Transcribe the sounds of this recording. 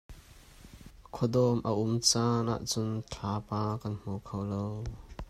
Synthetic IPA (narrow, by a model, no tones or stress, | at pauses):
kʰɔd̪ɔmʔəʔʊmt͡sanʔa̰ːʔt͡sʊnt͡ɬʰaːpaːkɐnm̥ukʰowlow